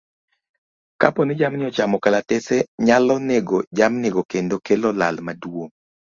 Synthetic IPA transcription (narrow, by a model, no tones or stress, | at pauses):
ka̰ponɪd͡ʒamnɪɔt͡ʃamɔkalatɛsɛɲalɔneɡod͡ʒamneɡokendokelɔla̰lmaduo